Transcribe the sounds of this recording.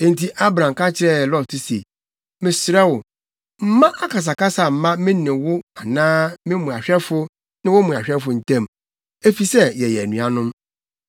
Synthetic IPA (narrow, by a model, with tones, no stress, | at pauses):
ẽ˨n˨ti˨ʔa˦bɾã˨mka˦t͡ɕʰɪ˨ɾɛ˦˨lɔ˦tʰʊ˦sḛ˨ | mɪ̃˨sɾɛ˦wʊ˨ | m̩˦mã˦ʔa˦kʰa˨s̬a˨ka˦sa˨m̩˨mã˦mɪ̃˦nɪ̃˨wʊ˦a˨nãː˦mɪ̃˦mũ˨a˨ɕᶣɛ˦fʊ˦ | nɪ̃˦wʊ˦mũ˨a˨ɕᶣɛ˦fʊ˨n̩˨tʰã˦˨m | e˦fi˨sɛ˦jɛ˨jɛ˨æ˨nũ˨a˦nʊ̃˦m